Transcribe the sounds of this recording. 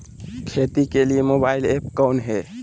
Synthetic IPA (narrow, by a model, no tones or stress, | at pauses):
kʰet̪ikeliemobailepkɔwnɦɛ